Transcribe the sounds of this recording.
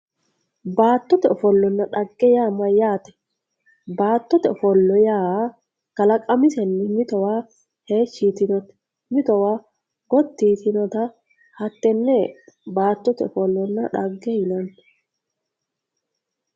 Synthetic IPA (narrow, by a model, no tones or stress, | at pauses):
baːt̪ːɔt̪ɛɔfɔlːɔnːɐᶑɐɡːɛjaːmɐjaːt̪ɛ̥ | baːt̪ːɔt̪ɛɔfɔlːɔjaː | kɐlɐkʼɐmɪsɛnːɪmɪt̪ɔwaː | he̞ːʃːit̪ɪnɔt̪ | mɪt̪ɔwaː | ɡ̥ɔt̪ːiːt̪ɪnɔt̪ɐ | hɐt̪ːɛnːɛbaːt̪ːɔt̪ɛ̰ɔfɔlːɔnːɐᶑɐɡːɛjɪlɐn